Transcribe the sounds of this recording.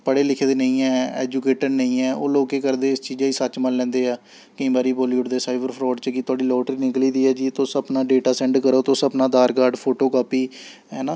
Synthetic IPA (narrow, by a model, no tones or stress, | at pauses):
pəɽeːlɪkʰːd̪eːnəĩːɛːɛ̰ːd͡ʒukeːʈəɾnəĩːɛːʔo̰ːloːkeːkəɾd̪eːɪst͡ʃiːd͡ʒaːiːsət͡ʃmənlɛ̃ːnd̪eːaː | kəĩːbaːɾiːpoːljuːʈd̪eːsaːɪbəɾpʰɾɔːɖt͡ʃəkɪt̪ʊaːɖiːlɔːʈəɾiːnɪkliːd̪iːɛːd͡ʒiːt̪õːsəpnaːɖeːʈaːsɛ̃ːɳɖkəɾoːt̪oːsəpnaːd̪aːɾkaːɾɖpʰoːʈoːkaːpiː | ɦɛːnaː